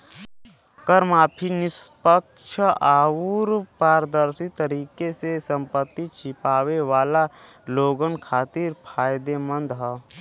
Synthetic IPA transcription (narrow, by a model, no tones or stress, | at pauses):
kəɾmaːpʰinɪspəkʃʰaːuɾpaːɾd̪əɾsit̪əɾiːkesesə̃mpət̪ːit͡ʃɪpaːʋeʋaːla | loːɡənkʰaːt̪iɾpʰaːjd̪emə̃nd̪ɦɛ